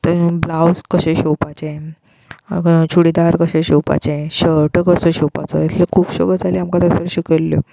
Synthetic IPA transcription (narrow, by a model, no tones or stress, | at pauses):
t̪əɾblawskəɕẽɕewpat͡ɕe | t͡ɕʰuɽid̪aɾkəɕẽɕewpa̰t͡ɕeɕəɾʈəkəseɕewpa̰t͡sə̰at̪ʰlekʰuːpɕɔ̰ɡət̪aliamkat̪əsəɾɕikəlːjo̰